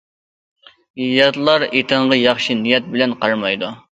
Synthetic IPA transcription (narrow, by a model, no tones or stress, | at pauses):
ijɑt̪lˠɑɾet̪ʰəɴʁɑjɑχʃinijɛt̪̚bɪlɛnqʰɑɾmɑjd̪u